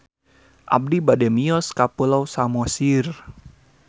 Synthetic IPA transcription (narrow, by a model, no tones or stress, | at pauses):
ʔa̰b̚dibadɛmiɔskapəlawsamɔsir